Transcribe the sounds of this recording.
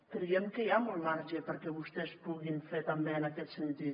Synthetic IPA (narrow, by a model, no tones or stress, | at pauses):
t̪ɾiemkejamolmaɾt͡ʃepəɾkeβust̪espuɣinfet̪ambeːnaket̪sent̪it̪